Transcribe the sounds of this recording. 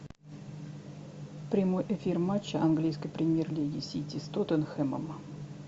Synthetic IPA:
pɾʲɪmojʔefʲirmat͡ɕːəʔɐnɡlʲijskəjpɾʲɪmʲjerlʲeɡʲɪsʲit̪ʲist̪ot̪ənxɛmə̰m

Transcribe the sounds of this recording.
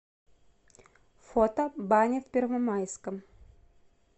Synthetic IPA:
fot̪əbanʲɪfpʲɪrvəmajskəm

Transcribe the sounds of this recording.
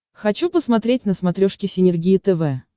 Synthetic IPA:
xɐt͡ɕupəsmɐt̪ɾʲetʲnəsmɐt̪ɾʲoʂkʲɪsʲɪnʲɪrɡʲijɪt̪ɛvɛ

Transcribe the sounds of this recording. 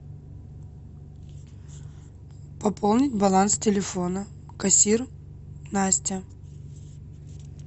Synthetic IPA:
pɐpʰolˠnʲɪtʲbɐlˠanstʲɪlʲɪfo̞nə | kɐsʲir | nasʲtʲɪ

